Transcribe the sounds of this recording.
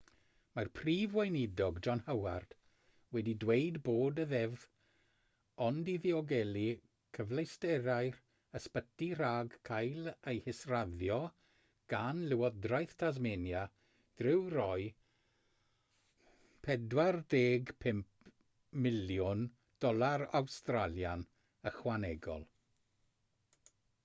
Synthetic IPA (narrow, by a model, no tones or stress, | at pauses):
marpʰriːvwajnɪdɔɡd͡ʒɔnhawa̰rd̥ | wɛdidwejdboːdəðɛv | ɔndiðiɔɡɛli | kʰəvlˠejstɛɾajr | əspətiraːɡkʰajlˠejhɪsraðjɔ | ɡ̥anlɪwɔdrajθtʰazmenja | d̥rɪwrɔɨ | pʰɛdwardeːɡpʰɛmp | mɪljʊn | d̥ɔlˠaɾa̰wstraljan | əχwanɛɡɔ̰lˠ